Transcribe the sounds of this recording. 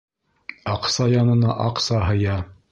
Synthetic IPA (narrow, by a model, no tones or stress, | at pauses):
ɑqsɑjɑnɤ̆nɑʔɑqsɑɦɤ̆jɑ